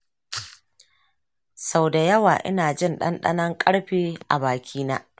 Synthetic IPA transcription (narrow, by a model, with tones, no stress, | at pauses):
sa˦˨wda˨jɐ˦waː˨ʔɪ̰˦naː˨d͡ʒɪ˦nɗɐ̰˦nɗɐ̰˦nɐ˦ŋkʼɐ˦ɽɸiː˦ʔa˨baː˨kʲʰiː˦naː˦